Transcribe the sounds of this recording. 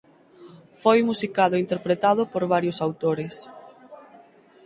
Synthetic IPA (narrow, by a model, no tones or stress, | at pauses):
fojmusikaðʊint̪eɾpɾet̪aðʊpoɾβaɾjʊsawt̪oɾɪs